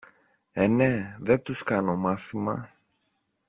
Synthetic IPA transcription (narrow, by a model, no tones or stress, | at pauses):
eneðet̪uskɐno̞mɐθimɐ̰